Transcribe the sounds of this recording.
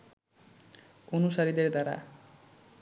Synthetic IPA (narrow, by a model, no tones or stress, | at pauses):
onusaɾid̪eɾd̪aɾa̰